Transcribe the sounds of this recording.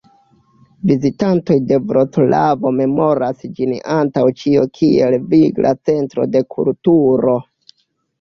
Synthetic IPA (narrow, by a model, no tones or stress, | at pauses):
vizitanto̞jde̞vɾotlavo̞me̞mo̞ɾasd͡ʒinantawt͡ʃiokʰie̞̰lviɡlʔa̰t͡se̞ntɾo̞̰de̞kʰṵltuɾo̞